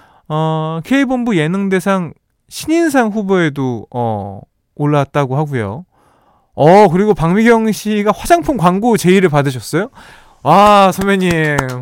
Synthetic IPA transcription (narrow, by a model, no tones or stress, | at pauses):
ʌkʰe̞ibonbuje̞nɯŋde̞sʰaŋ | ɕʰiɲins̬ʰaŋɸuboe̞doʌ̰ː | ɭːat̚t͈aɡoɦaɡujo̰ | ʌkɯɾiɡopaŋmiɡjʌŋɕʰiɡaɸwad͡ʑaŋpʰɯnkwaŋɡut͡ɕe̞iɾɯɭpadɯɕ̬ʰʌs͈ʌjo | wasʰomeɲi